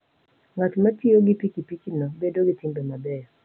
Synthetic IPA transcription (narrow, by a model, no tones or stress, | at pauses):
ŋatmatioɡipikipikinɔbedoɡɪtɪmbemabɛɔ